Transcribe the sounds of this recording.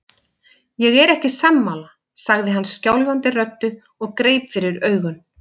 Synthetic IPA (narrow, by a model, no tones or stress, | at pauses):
jɛɣɛɾɛhcɪsamːala | saɣðɪɦanːsːcawlvant̪ɪrœt̪ːʏ | ɔɣkɾeːjpfɪɾɪɾœːɥɣʏn